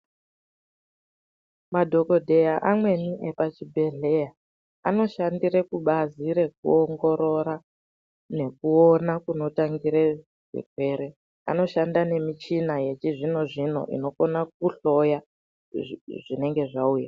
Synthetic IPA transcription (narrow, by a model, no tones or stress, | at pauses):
madʱo̞ko̞dʱe̞jaʔamwe̞niʔepat͡ʃibʱe̞ɮe̞ja | ano̞ʃandirekuɓaziɾe̞k̚ṵoŋɡo̞ɾo̞ɾa | ne̞k̚uonakuno̞taŋɡiɾe | ʐ̥ḛkwe̞ɾe̞ | a̰no̞ʃandane̞mit͡ʃinaje̞t͡ʃiʐino̞ʐin̤o̞̰ʔḭno̞konak̚uɬo̞ja | ʐine̞ŋɡe̞ʐauja